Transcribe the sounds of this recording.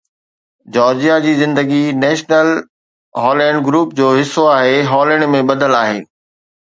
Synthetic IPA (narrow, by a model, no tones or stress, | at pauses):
d͡ʑɔːɾd͡ʑijad͡ʑiːzɪ̃nd̪əɡinɛːʃnəl | ɦɔːlɛ̃ːɳɖɡɾuːp̚d͡ʑoːɦɪsːoaːɦeɦɔːləɽ̃mẽɓɐd̪ʱəlaːɦḛː